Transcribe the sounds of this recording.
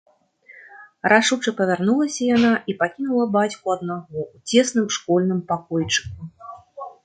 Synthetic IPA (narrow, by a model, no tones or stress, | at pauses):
rʔaʂut͡ʂɨpɐvʲarnulˠɐsʲɐjanaipakʲinulˠɐbat͡sʲkuɐd̪naɣɔut͡sʲɛsnɨmʂkɔlʲnɨmpakɔjt͡ʂɨ̥ku